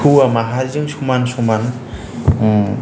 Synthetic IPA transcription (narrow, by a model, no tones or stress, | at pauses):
uamaɦazɯŋsumansuman